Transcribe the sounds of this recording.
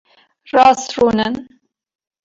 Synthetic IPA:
rɑːsruːnən

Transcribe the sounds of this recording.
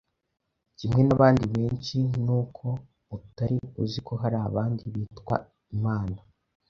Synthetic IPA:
cimŋe̞naβaːndiβe̞ːnt͡ʃinuːkʰo̞ | utaɾiuziko̞ɦaɾaːβaːndiβiːtkwa̰ | imaːna

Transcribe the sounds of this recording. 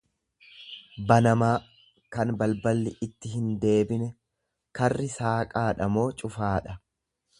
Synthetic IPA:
bɐnɐmaː | kɐnbɐlbɐlːɪʔɪt̪ːɪɦɪnd̪e̞ːbɪnɛ | kɐrːɪsaːkʼaːᶑɐmo̞ːt͡ʃʼʊfaːᶑɐ

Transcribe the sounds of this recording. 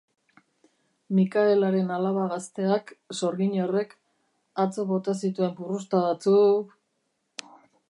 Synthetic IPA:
mikaelaɾe̞nalaβaɣast̪e̞akso̞ɾɣiɲore̞k | at͡so̞βo̞t̪asit̪ue̞mpurust̪aβat͡suk

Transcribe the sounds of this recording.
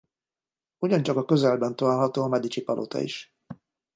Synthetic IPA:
uɟɒnt͡ʃɒkɒkøzɛlbɛnt̪ɒlaːlɦɒt̪oːɒmɛd̪it͡ʃipɒlʔo̰t̪ʰɒ̰ḭʃ

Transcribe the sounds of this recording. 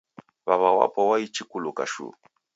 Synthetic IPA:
βaβawa̰pɔwait͡ʃikulukaʃṵ

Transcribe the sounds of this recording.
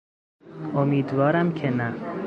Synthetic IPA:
omiːd̪vɒːɾæmcʰenæ

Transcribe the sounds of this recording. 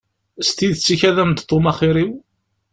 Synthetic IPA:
st̪iðt͡sːiçæðæmd̪t̪ˤːomɑχiɾiw

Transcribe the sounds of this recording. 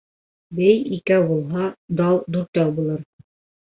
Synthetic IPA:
bæjikæbulˠɦɑd̪ɑw̪ˠd̪ʉɾt̪jɑwˠbulˠɤɾ

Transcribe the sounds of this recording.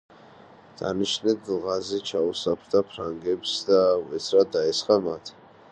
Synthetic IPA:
d̪̥a̰niʃnɛd̪lˠʁazɛt͡ʃʰausapʰɾd̪apʰɾaŋɡɛpsd̪avɛt̪sʰɾad̪aɛsχamat̪ʰ

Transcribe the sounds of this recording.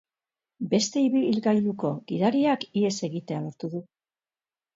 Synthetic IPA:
be̞st̪e̞iβilɣajluko̞ɣiðaɾiakie̞se̞ɣit̪e̞aloɾt̪uðu

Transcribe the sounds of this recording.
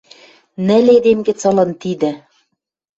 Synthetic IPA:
nɘ̆led̪emɡɘ̆t͡sɤ̆lɤ̆nt̪id̪ɘ̆

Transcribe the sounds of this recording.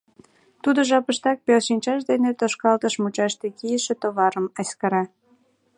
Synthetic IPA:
t̪ud̪oʒɑpəʃt̪ɑk̚pelʃinʲt͡ɕɑʃ̬d̪enet̪oʃkɑlt̪əʃmut͡ɕɑʃt̪ekijəʃĕt̪oβɑɾəmɑskɑɾɑ

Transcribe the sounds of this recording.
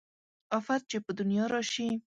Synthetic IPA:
ɑfat̪̚t͡ʃepəd̪unjɑɾɑʃi

